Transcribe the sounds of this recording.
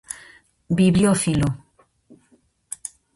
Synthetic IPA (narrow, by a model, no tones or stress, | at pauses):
biβljofilo